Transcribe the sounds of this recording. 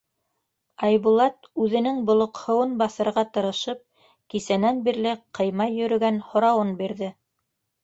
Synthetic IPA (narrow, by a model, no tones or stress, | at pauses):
ɑjβulˠɑt̪ʉðɘ̆nɘŋbŏlˠŏqhɤ̆wɤnbɑθɤ̆ɾʁɑt̪ɤ̆ɾɤ̆ʃɤp̚ | kisænænbiɾlɘqʰɤ̆jmɑjːɵ̆ɾɵ̆ɡænhŏɾɑwɤnbiɾðɘ